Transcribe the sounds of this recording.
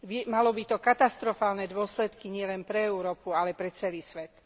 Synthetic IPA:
ʋɛmalɔbit̪ɔkat̪ast̪ɾɔfaːlnɛd̪ʊɔslɛt̪kiɲɪɛlɛnpɾɛɛuɾɔːpualɛpɾɛt͡sɛliːsʋɛt̪

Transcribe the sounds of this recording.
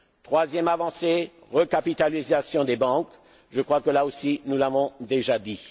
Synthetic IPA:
t̪χwazjɛmavɑ̃se | ʁəkapit̪alizasjɔ̃d̪ebɑ̃k | ʒəkχwakəlaosinulavɔ̃d̪eʒad̪i

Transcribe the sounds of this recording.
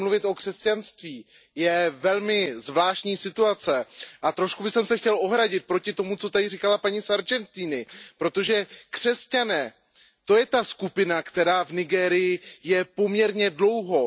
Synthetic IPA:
mluvɪt̪ʔo̞kr̥ɛscanst̪viː | jɛvɛlmɪzvlaːʃcɲiːsɪt̪uat͡sɛʔat̪ɾo̞ʃkubɪsɛmsɛxcɛlʔo̞ɦɾaɟɪt̪̚pɾo̞cɪt̪o̞mut͡so̞t̪adɪrɪkalapaɲisaɾd͡ʒɛnt̪iːnɪpɾo̞t̪o̞ʒɛkr̝̥ɛscanɛː | t̪o̞jɛt̪askupɪnakt̪ɛɾaːvnɪɡɛːɾɪjɪjɛpo̞mɲɛɾɲɛdlo̞wɦo̞

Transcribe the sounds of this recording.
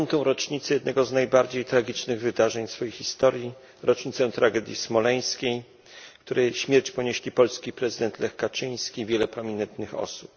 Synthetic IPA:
nt̪ɔ̃w̃ɾɔt͡ʂɲit̪sɛjɛd̪nɛɡɔznajbaɾd͡ʑejt̪ɾaɡʲit͡ʂnɘɣvɘd̪aʐɛɲsfɔjejxːist̪ɔɾji | ɾɔt͡ʂɲit̪sɛ̃w̃t̪ɾaɡɛd̪ʲjismɔlɛj̃skʲej | kt̪uɾɛjɕmʲjɛɾt͡ɕpɔɲeɕlʲipɔlskʲipɾɛzɨd̪ɛnt̪lɛxkat͡ʂɘj̃skʲivʲjɛlɛpɾɔmʲinɛnt̪nɘxɔ̰su̥p

